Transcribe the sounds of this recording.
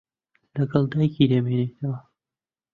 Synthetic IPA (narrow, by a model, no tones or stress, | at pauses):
lɐɡɐlˠd̪aːjkid̪emenet̪ʰɐwɐ